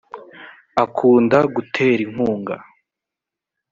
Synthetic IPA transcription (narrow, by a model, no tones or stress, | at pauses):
akʰuːndaɡutʰe̞ːɾiŋ̥huːŋɡa̰